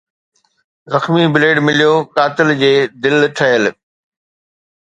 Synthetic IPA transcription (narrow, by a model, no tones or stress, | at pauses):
zɐxmibɪleːɖmɪlijokaːt̪ɪld͡ʑeːd̪ɪlʈʰɐɦəl